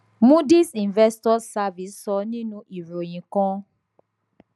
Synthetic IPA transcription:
mũ˦di˦sĩ˨nvɛ˦stɔ˦sa˧vi˨˦ssɔ˧nĩ˦nũ˧˦ʔi˨ɾo˨j̃ĩ˨kɔ̃˦

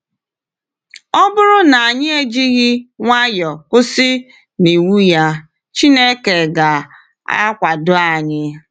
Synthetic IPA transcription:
ɔ˦bʊ˦ɾʊ˦na˨a˨ɲɪ˦e˦d͡ʒi˦ɣɪ˦ŋʷa˦jɔ˨kʷʊ˦sɪ˦ | ni˨wu˦ja˦ | t͡ʃi˦ne˦ke˨ɡa˨ | a̰˦kʷa˨dʊ˦a˨ɲɪ˦

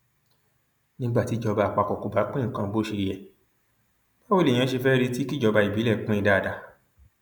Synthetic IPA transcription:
nĩ˦ɡ͡ba˦˨ti˨˦d͡ʒɔ˧ba˧˨k͡pa˧˨kɔ˨ko˨ba˨˦k͡pẽ˦˨kã˧bo˦ʃe˧ɾi˧ɛ˨ | ba˦wo˦lẽ˨ã˧ʃe˧fɛ˦ɾe˧˦ti˦ki˦˨d͡ʒɔ˧ba˧i˨bi˨˦lɛ˦˨k͡pẽ˧˦i˧da˧˨da˧

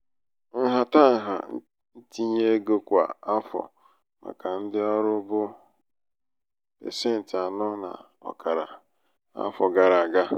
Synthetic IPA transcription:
ɦa˨ta˦˨ɦa̰˨˦ | n̩˦ti˦ɲe˦ɡo˦kʷa̰˨a˦fɔ̰˨ | ma̰˨ka˨n̩˦dɪ˦ɔ˦ɾʊ˦bʊ˦ | pḛ˨se˦˨n̩˨tɪ˨a˨nʊ˦na̰˨ | ɔ̰˨ka˨ɾa̰˨ | a̰˦fɔ˨ɡa˨ɾa˨a˨ɡa˦

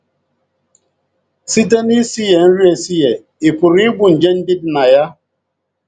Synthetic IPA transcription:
si˦t̬e˦ni˦si˦je˨n̩˦ɾi˦e˨si˦je˨ | i˨ku˨ɾi˦ɡ͡bu˨n̩˨d͡ʒe˦n̩˦di˦dna˨ja˦

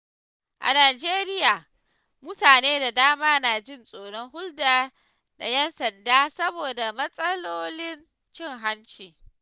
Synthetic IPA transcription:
ʔa̰˨naː˨d͡ʒeː˦ɾɪ˦jaː˨ | mʊ˦taː˨neː˦da˨daː˦maː˦na˨d͡ʒɪ˦nsʼoː˨ɽɔ˦ŋhʊ˦ldaː˦ | da̰˨jɛ˦nsɐ˨ndaː˦sɐ˦boː˨da˨mɐ˦sʼɐ˦loː˦lɪ˦n | t͡ʃɪ˦ŋɦa˦nt͡ʃiː˨

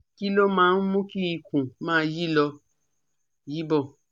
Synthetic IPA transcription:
ki˦lo˦mãː˨˦n̩˦mũ˦ki˦i˧kũ˨mãː˦˧˦ji˦lɔ˧ | ji˦bɔ˦˨

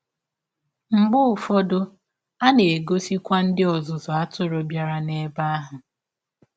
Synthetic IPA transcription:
ŋ͡m̩˨ɡ͡bʊ˦ʊ˨fɔ˦dʊ˦ | a˦ne˨e˨ɡo˦si˦kʷa˦n̩˦dɪ˦ɔ˨zʊ˨zɔ˨a˦tʊ˦ɾʊ˨bja˦ɾa˦ne˦ba˦a˦ɦʊ˨

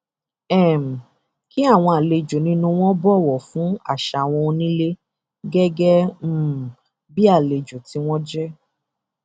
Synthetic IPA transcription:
ɛ˦˨m̩˨ | ki˦a˦˨w̃ɔ̃˧a˨le˨d͡ʒo˨nĩ˧˦nũ˧w̃ɔ̃˦bɔ˦˨wɔ˨fũ˨˦a̰˦˨ʃa˨w̃ɔ̃˧o˧nĩ˦le˦ | ɡɛ˦ɡɛ˦˨ | bi˦a˦˨le˨d͡ʒu˨ti˧w̃ɔ̃˦d͡ʒɛ˦

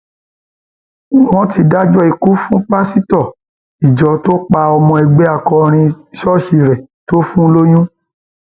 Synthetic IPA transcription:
w̃ɔ̃˦ti˧da˦d͡ʒɔ˦i˧˨ku˦fũ˦pa˦si˦tɔ˦˨ | i˨d͡ʒɔ˨to˦k͡pa˧ɔ˧mɔ̃˧ɛ˧˨ɡ͡be˦a˧˨kɔ˧ɾ̃ĩ˧ | ʃɔ˦ʃi˧ɾɛ˨ | to˦fũ˦lo˦j̃ũ˦

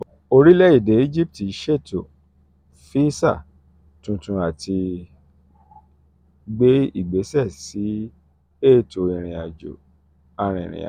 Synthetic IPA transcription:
o˧ɾi˦lɛ˦i˦˨de˨˦i˦d͡ʒi˦p̚ti˨˦ʃe˦˨to˨ | fi˦sa̰˦˨ | tũ˧tũ˧a˨ti˧ | ɡ͡be˦i˦˨ɡ͡be˨˦sɛ˦˨si˨˦ | e˦˨to˨ĩ˧˨ɾ̃ĩ˨a˨d͡ʒo̰˨ | a˧ɾ̃ĩ˨ɾ̃ḭ̃˨a̰˨

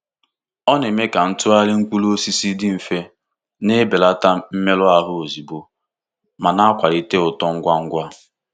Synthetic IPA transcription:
ɔ˦ne˨me˦ka˨n̩˦tʊ˦a˦lɪ˦ŋ̩˦kʷu˦lo˦si˦si˦dɪ˦m̩˨fe˦ | ne˦be˨la˦ta˦m̩˦me˦lʊ˦a˦ɦʊ˦o˨zi˨bo˨ | ma˨na˦a˦kʷa˨ɾi˨te˦ʊ˨tɔ˦ŋ̩˦ɡʷa˦ŋ̩˦ɡʷa˦

